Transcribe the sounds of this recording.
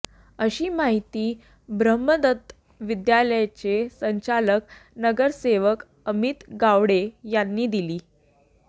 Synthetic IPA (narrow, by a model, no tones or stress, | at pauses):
əɕiːmaɦit̪iː | bɾəmːəd̪ət̪ | ʋid̪jaləjat͡ɕesəɲt͡ɕaləknəɡəɾseʋək | əmit̪ɡaʋɽejanːiːd̪iliː